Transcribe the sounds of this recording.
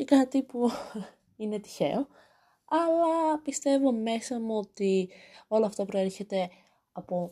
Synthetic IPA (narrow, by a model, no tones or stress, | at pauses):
ekɐt̪ipu | ine̞t̪i̥çe̞̰o̞ | ɐlɐpist̪e̞vo̞me̞sɐmuo̞t̪io̞lɐːft̪ɐpɾo̞e̞ɾçe̞t̪e̞ | ɐpo̞